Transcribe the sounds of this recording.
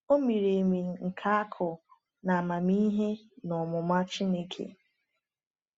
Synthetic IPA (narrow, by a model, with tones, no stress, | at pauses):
o˦mi˨ɾe˨mi˨ŋ̩˨ŋ̩˨kʰa˦a˦kʰʊ˨ | na˨ma˨mi˦ɦe˦ | nɔ˨mʊ˨ma˦t͡ʃi˦ne˦kʰḛ˨